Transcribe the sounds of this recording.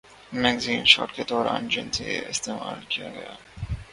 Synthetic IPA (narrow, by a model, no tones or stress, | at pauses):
mɛɡziːnʃɔ̰ːʈked̪ɔːɾãːnd͡ʒɪnseɪst̪eːmaːlkijaɡɐjaː